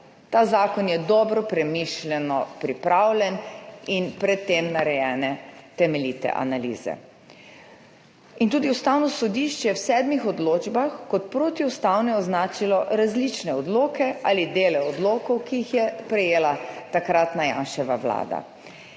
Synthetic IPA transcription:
t̪aːzaːkɔnjɛd̪ɔːbɾɔpɾɛmiʃlʲɛnɔpɾipɾawlʲɛninpɾɛt̪ːemnaɾɛjɛːnɛt̪ɛmɛlit̪ɛ̰ʔa̰nalḭːz̥ɛ̰ | int̪uːd̪iust̪awnɔsɔd̪iʃt͡ʃjɛwsɛːd̪mixɔd̪loːd͡ʒbaxkɔt̪pɾoːt̪iust̪awnɛɔznaːt͡ʃilɔɾazlit͡ʃnɛɔd̪loːkɛaːlid̪eːlɛɔd̪loːkɔwkiixjɛpɾɛjeːlat̪akɾat̪naja̰ːnʃɛʋawla̰ːd̪a̰

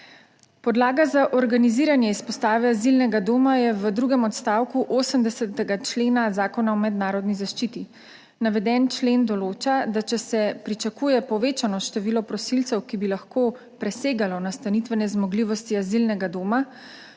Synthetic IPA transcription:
pɔd̪laːɡazaʔɔɾɡaniziːɾanjɛispɔst̪aːʋɛazilnɛɡad̪oːmajɛʋəd̪ɾuɡɛmɔt̪st̪aːwkuʔoːsəmd̪ɛsɛt̪ɛɡat͡ʃleːnazaːkɔnaɔmɛd̪naːɾɔd̪nizaʃt͡ʃiːt̪i | naʋɛd̪ɛnt͡ʃlend̪ɔloːt͡ʃad̪at͡ʃɛsɛpɾit͡ʃakuːjɛpɔʋeːt͡ʃanɔʃt̪ɛʋiːlɔpɾɔsilt̪sɛwkibilaxkoː | pɾɛseːɡalɔnast̪anit̪ʋɛnɛzmɔɡliːʋɔst̪iazilnɛɡad̪oːma

